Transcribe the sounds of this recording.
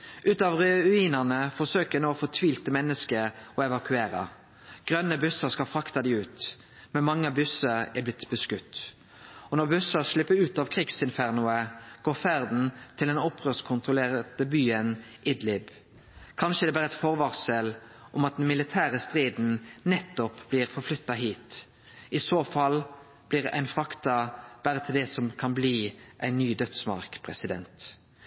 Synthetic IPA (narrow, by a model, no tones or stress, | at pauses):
ʔʉːt̪ɑːʋʁʉiːnənəfɔʁsøːkənoːfɔt̪ʰʋiːlt̪əmɛnːəskəɾɔɛʋɑkʰʉeːʁɑ̰ | ɡ̥ʁœnːəbʉsəskɑlfɾʁɑkt̪ɑd̪iːʉːt̪ | mɛnmɑŋːəɑbʉsəɛblɪt̪bəskʉt̪ː | ɔnɔʁbʉsəʁʃlɪpːəɾʉːt̪ɑːʋkʰʁiːɡsɪnfæʁnʊəɡ̥oːʁfæʁd̪n̩t̪ʰɪld̪ɛnɔpʰːʁøːskʰʊnt̪ʁʊleːʁd̪əbyːənʔɪd̪lɪb | kʰɑnʃəd̪ɛbæːʁəɛt̪fɔʁʋɑʁsəl | ʔɔmɑt̪̚d̪ɛnmɪlɪt̪ʰæːʁəst̪ʁiːd̪n̩nɛt̪ːɔpb̥liːʁfɔʁflʏt̪ːɑɦiːt̪ | ɪsoːfɑl | b̥liːʁæ̰ɪnfʁɑkt̪ɑb̥æːʁət̪ʰɪld̪ɛsɔmkʰɑnbliːʔæɪnːyːd̪œt̪smɑ̰ʁkpʰʁɛsɪd̪ɛ̰nt̪